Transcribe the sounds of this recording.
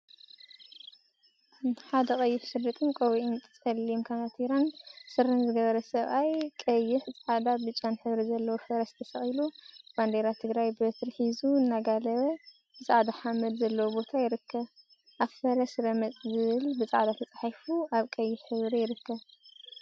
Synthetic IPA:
ħad̪ɐkʼɐjːɪħʃɨd̪ːɐt̪ʼɨnkʼowiʔɪnt̪ʰʼɨt͡sʼɐlːimkʰanat̪ʰiɾansɨɾɐnzɨɡɐβɐɾɐsɐβʔajkʼɐjːɪħt͡sʼʕad̪abɨt͡ʃʼːanħɨβɾizɐlːɐwofɐɾɐst̪ʰɐsɐχʼilub̥and̪eɾat̪ʰɨɡɾajbɨɐt̪ɾħizuɨnːaɡalɐβɐ | bɨt͡sʼaʕd̪aħamɐd̪zɐlːɐwobo̞t̪ʰajɪɾɨkʰːɐβ | ʔaβfɐɾɐsɾɐmɐt͡sʼzɨβɨlbɨt͡sʼaʕad̪at̪ʰɐt͡sʼaħafuaβkʼɐjːɪħħɨβɾijɪɾɨkːɐβ

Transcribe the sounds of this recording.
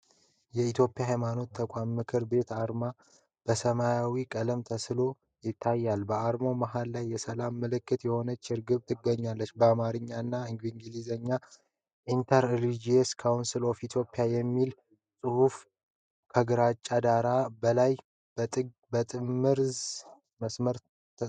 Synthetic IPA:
jɛit̪ʰjo̞pʼijaɦajmano̞t̪ʰːəkʷʼamːɨkʰɨɾbe̞t̪ʰaɾma | b̥əsəmajawikʼələmt̪ʰəslo̞ | jɪt̪ʰːajːalbəaɾmo̞maɦalːajːɛsəlamːɨlɨkːɨt̪jɛho̞nət͡ʃːɪɾɡɨβt̪ʰɨɡːəɲːalːət͡ʃːbəamaɾɨɲːanːaɨŋɡɨŋɡɨlizəɲːa | ʔint̪ʰaɾlid͡ʒieskʰawnsɨlo̞fit̪ʰjo̞pʼːijajɛmːil | sʼɨhuf | kʰəɡɨɾat͡ʃʼːad̪aɾabəlaj | b̪ | bət̪ʼɨmːɨɾz | məsməɾ

